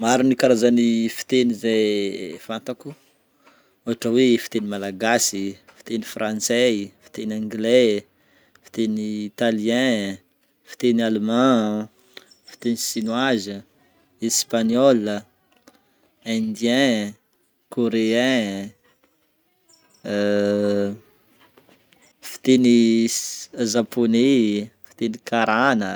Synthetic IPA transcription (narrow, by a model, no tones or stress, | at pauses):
maɾinikaɾazanifi̥t̪enizefant̪aku | oɦaʈ͡ʂəwefi̥t̪enimalaɡasifi̥t̪enifrãnt͡sɛfi̥t̪enãŋɡle | fi̥t̪eniːt̪aliɛ̃ | fi̥t̪enalmã | fi̥t̪enisinwazə | espaɲɔl | ɛ̃nd̪jɛ̃ | koɾeɛ̃ | fi̥t̪eni | zaponifi̥t̪enikaɾanə